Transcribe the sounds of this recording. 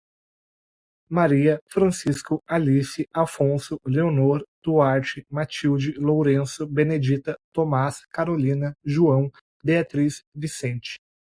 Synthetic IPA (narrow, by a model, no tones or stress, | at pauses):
maɾiɐfɾɐ̃siskʊalisɪafõsʊleonoɾd̪̥uaɾt͡ʃɪmat͡ʃiwd͡ʒɪlowɾẽsʊbened͡ʒit̪ɐt̪omaskaɾolĩnɐʒuɐ̃w̃ | beat̪ɾisvisẽnt͡ʃɪ̥